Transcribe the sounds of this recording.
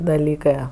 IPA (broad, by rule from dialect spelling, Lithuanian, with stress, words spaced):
dɐˈlʲiːkɜ